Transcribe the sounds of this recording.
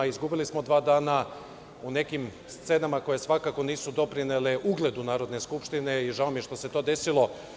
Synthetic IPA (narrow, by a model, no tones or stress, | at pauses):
izɡubilismo̞d̪ʋaːd̪aːna | une̞kim | st̪se̞ːnamako̞je̞sʋakako̞niːsud̪o̞pɾineleʔuɡlˠe̞d̪unaːɾo̞d̪ne̞skupʃt̪ine̞iʒaomjeʃt̪o̞se̞t̪o̞ːd̪e̞silo̞